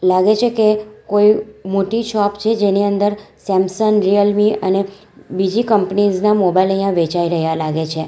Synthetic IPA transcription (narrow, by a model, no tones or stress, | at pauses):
laɡet͡ʃʰekekoimoʈiʃɔpt͡ʃʰed͡ʒeniənd̪əɾsɛmsənɾijəlmiə̰ne | bid͡ʒikəmpniznamobailəjːãʋet͡ʃaiɾəɦjalaɡet͡ʃʰe